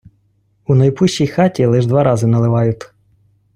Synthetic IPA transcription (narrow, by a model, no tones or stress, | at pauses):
unɐjpʊʃʲt͡ʃijxɑtʲilˠɪʒd̪ʋɑɾɑzɪnɐlˠɪʋɑjʊt̪